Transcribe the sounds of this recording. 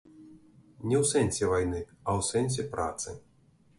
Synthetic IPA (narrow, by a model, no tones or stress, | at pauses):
nʲɛwsɛnʲsʲɛvajnɨ | ɐwsɛnʲs̬ʲɛpɾa̰t̪sɨ̰